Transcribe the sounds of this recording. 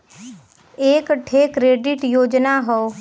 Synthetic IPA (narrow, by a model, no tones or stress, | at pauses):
eːkʈʰeːkɾeːɖɪʈjoːd͡ʒnaɦoo